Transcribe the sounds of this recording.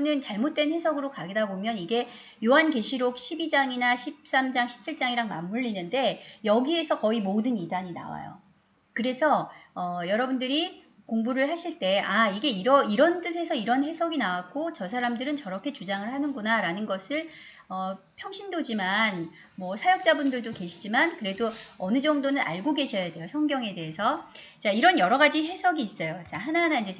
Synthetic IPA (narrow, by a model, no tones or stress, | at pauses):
nɯnt͡ɕaɭmot̚t͈wenɸe̞sʰʌɡɯɾokaɡedabomjʌniɡe̞ | joɦanke̞ɕʰiɾok̚ɕʰibid͡ʑaŋinaɕʰip̚s͈amd͡ʑaŋɕʰi̥p̚t͡ɕʰiɭt͡ɕ͈aŋiɾaŋma̰mːuʎːinɯnde̞jʌɡie̞sʰʌkʌimodɯnidaɲina̰wa̰jo̰ | kɯɾe̞sʰʌʌjʌɾʌbundɯɾi | koŋbuɾɯɭhaɕʰiɭt͈e̞ʔaiɡe̞iɾʌiɾʌnt͈ɯs̬ʰe̞sʰʌiɾʌnɦe̞sʰʌɡinawak̚k͈ot͡ɕʌs̬ʰaɾamdɯɾɯnt͡ɕʌɾʌkʰe̞t͡ɕud͡ʑaŋɯɭhanɯnɡunaɾanɯnɡʌsʰɯɭ | ʌpʰjʌŋɕʰindod͡ʑiman | mwʌsʰajʌk̚t͡ɕ͈abundɯɭdoke̞ɕʰid͡ʑimankɯɾe̞doʌnɯd͡ʑʌŋdonɯnʔa̰ɭɡoɡe̞ɕʰʌjade̞josʰʌŋɡjʌŋe̞de̞ɦesʰʌ | t͡ɕaiɾʌnjʌɾʌɡad͡ʑiɦe̞sʰʌɡiːs͈ʌjot͡ɕaɦanaɦanaind͡ʑe